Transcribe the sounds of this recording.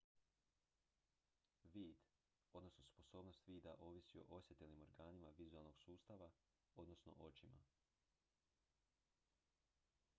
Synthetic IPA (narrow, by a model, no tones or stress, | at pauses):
ʋiːd̪ | o̞d̪no̞snospo̞so̞ːbno̞st̪ʋiːd̪aʔo̞ːʋisio̞̰ʔo̞sjet̪elnimo̞ɾɡaːnimaʋizualˠno̞ɡ̥suːst̪aʋa | o̞d̪no̞sno̞̰ʔo̞t͡ʃima̰